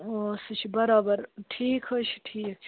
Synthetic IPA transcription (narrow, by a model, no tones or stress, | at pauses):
ost͡ʃʰibɐɾaːbəɾʈʰiːkʰɦət͡ʃʰi̥ʈʰiːkt͡ʃʰ